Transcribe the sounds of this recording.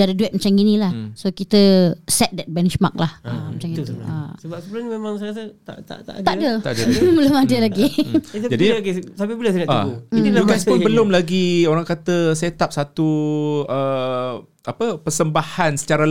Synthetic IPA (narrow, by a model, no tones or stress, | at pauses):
adəduɛt̪̚mãt͡ʃaŋinĩlahsokit̪əsɛt̪̚dɛt̪̚bɛnʃma̰k̚lahamət͡ʃaŋit̪uʔasəbap̚səbulanimemãŋsajɣas̬ət̪a̰ʔt̪a̰ʔt̪a̰ʔd̪aʔdət̪adəməlʊmadəlaɡisad͡ʒadiɡisapibilasedaʔauiiuɡasʊnbəlʊmlaɡioɾaŋkat̪əset̪ap̚sat̪uə | apəpərsəmbahansə̥t͡ʃaɾa